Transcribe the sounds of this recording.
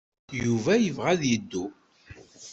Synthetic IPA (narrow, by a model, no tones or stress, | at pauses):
juvæjəvʁæðjəd̪ːu